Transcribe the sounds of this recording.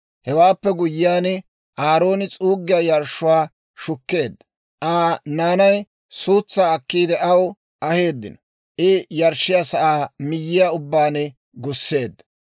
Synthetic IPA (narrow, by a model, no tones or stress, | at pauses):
hɛwaːpːɛɡʊjːɪjaːn | ʔaːɾo̞ːnɪt͡sʼuːɡːɪjajɐɾʃːʊwaː | ʃʊkːe̞ːd̪ːɐ̥ | ʔaːnaːnɐj | suːt͡sːaːɐkːiːd̪ɛʔɐw | ʔɐhe̞ːd̪ːɪ̰nɔ | ʔɪjɐɾʃːɪjasɐʔaːmɪjːɪjaʊbːaːnɛ | ɡʊsːe̞ːd̪ːɐ̥